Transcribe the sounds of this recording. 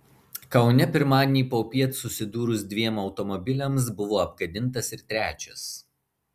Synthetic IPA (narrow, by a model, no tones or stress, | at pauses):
kɐʊnʲɛpʲɪɾmɑːd̪ʲɪnʲiːpoːpʲiɛt̪sʊsʲɪd̪uːɾʊsd̪ʲʋʲiɛmɒʊt̪ɔmɔbʲɪlʲɛms̬bʊʋoːɐpɡɐd̪ʲɪnˑt̪ɐsɪɾt̪ʲɾʲæːt͡ʃʲɛs